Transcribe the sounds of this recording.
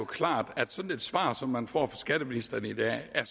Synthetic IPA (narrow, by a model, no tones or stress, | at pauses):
okʰlɑ̰̈ːd̥æd̥sɒ̽n̥n̩e̝d̥sʋɑ̰̈ːsɒ̽mːænfɒ̰ːfɒ̽sɡ̥æɾ̥əminisd̥ɐnəid̥ɛ̰æɐ